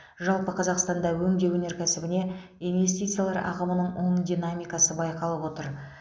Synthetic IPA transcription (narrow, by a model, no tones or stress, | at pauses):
ʒɑlˠpəqʰɑzɑqst̪ɑnd̪ɑwɵŋɡ̪ʲe̞wɵne̞ɾkʲʰæsɪbɪne̞ | ijnve̞s̬t̪ijt̪sɨjalˠɑɾʔɑ̰ʁəmənəɴo̞ɴd̪ʲijnamʲijkɑsəbɑjqɑlˠəpwo̞t̪əɾ